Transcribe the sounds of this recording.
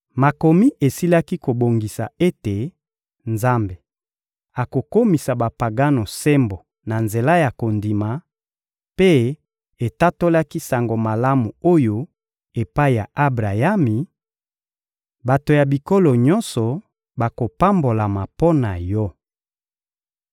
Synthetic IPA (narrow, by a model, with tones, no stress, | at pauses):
ma˨ko˨mi˦ʔe˨si˦la˦ki˦ko˨bo˨ŋɡi˨sa̰˨e˦te˨ | nza˦mbe˨ | a˨ko˨ko˦mi˨sa˨ba˨pa˨ɡa˦no˨sɛ˦mbo˨ | na˨nze˨la˦ja˨ko˨ndi˨ma˨ | pe˦ | e˨ta˦to˦la˦ki˦sa˨ŋɡo˨ma˨la˦mu˨o˦jo˦ | e˨pa˦i˨ja̰˨ʔa˦bʁa˨ja˦mi˨ | ba˨to˨ja˨bi˨ko˦lɔ˨ɲɔ̃˦nsɔ˨ | ba˨ko˨pa˦mbo˨la˨ma˨po˦na˨jɔ˦